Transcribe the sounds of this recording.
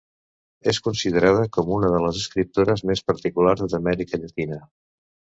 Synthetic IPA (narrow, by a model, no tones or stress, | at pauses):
eskunsiðəɾað̞əkɔmunəðələzəskɾip̚t̪oɾəzmespəɾt̪ikulaɾzðd̪əmɛɾikəʎət̪inə